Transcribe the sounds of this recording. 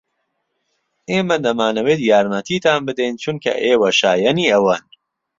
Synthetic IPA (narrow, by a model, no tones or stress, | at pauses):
ʔeːmɐd̪ɐmaːnɐweːt̪jaːɾmɐt̪ʰiːt̪aːnbɨd̪ɛjnt͡ʃʰunkʰɐ̰ʔeːwɐʃaːjɐniːɐwɐn